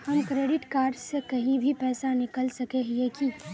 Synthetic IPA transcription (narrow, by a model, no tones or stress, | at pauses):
hɐmkɾeːɖɪʈkaːɾɖsekɐɦĩbʱipɛːsanɪkəlsɐkeɦeki